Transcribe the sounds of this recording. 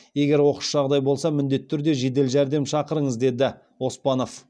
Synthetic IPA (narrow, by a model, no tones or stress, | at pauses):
je̞ɡʲe̞ɾwo̞qə̥ʃʒɑʁd̪ɑjbo̞lˠsɑmʏnd̪e̞t̪ʰːʏɾd̪e̞ʒe̞d̪̬e̞lʒæɾd̪e̞mʃɑqəɾəɴəzd̪e̞d̪ɪ | wo̞spɑno̞f